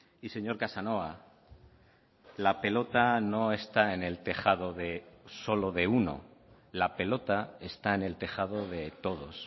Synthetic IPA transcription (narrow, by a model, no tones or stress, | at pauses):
ise̞ɲo̞ɾkasano̞a | lape̞lo̞t̪ano̞e̞st̪aene̞lt̪e̞xaðo̞ðe̞so̞lo̞ðe̞uno̞̰ | lape̞lo̞t̪ae̞st̪ae̞ne̞lt̪e̞xað̞o̞ðe̞t̪o̞ð̞o̞̰s